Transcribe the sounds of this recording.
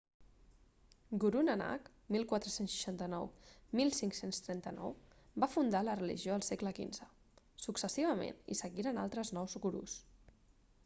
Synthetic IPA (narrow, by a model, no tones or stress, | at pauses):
ɡuɾunəna̰k | milˠkwat̪ɾəsensʃə̥ʃant̪ənɔwmilˠsiŋksenst̪ɾɛnt̪ənɔ̰wbafund̪alərəlḭʒioəlˠsekləkḭnzə | suksəsiβ̞əmḛnḭsəɣiɾəna̰lˠt̪ɾəznɔwsukuɾṵs